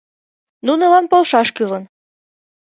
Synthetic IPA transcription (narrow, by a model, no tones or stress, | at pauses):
nunɤ̆lɑnpolˠʃɑʃkɯlɤn